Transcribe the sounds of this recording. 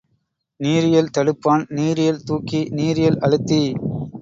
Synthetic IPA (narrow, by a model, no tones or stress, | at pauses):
niːɾɪjɐlt̪ɐɽɯpːaːnniːɾɪjɐlt̪uːkːiniːɾɪjɐlʔɐɻɯt̪ːi